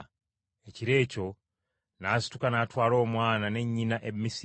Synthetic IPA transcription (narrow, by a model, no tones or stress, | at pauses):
eciɾe̞ːco̞ | naːsi̥tukanaːtwaːlo̞ːmwaːnane̞ɲːinaʔe̞mːis